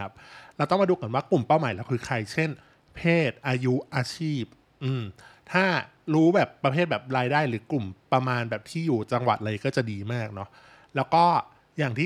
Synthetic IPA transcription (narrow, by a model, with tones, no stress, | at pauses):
a˦˥p̚lɛ˧wt̪ɔ˥˩ŋma˧duː˧ka˧˦nwaː˥˩klu˨˩mpaː˥˩wmaː˩˦lɛ˦˥wkʰɯː˧kʰɾa˧jt͡ɕʰe˥˩n | pʰeː˥˩t̪̚ʔaː˧ju˦˥ʔaː˧t͡ɕʰiː˥˩p̚ | ʔɯː˧˩mt̪ʰaː˥˩ | ɾuː˦˥bɛː˨˩pːɾa˧pʰeː˥˩t̪̚bɛː˨˩p̚ɾaː˧jdaː˥˩jɾɯː˩˦klu˨˩mpɾa˧maː˧nbɛː˨˩p̚t̪ʰiː˥˩juː˨˩t͡ɕa˧ŋwa̰˨˩t̪̚ʔlaː˧jkɔː˥˩t͡ɕa˨˩diː˧maː˥˩k̚nɔ˦˥ʔ | lɛː˦˥wkɔː˥˩ | jaː˨˩ŋt̪ʰiː˥˩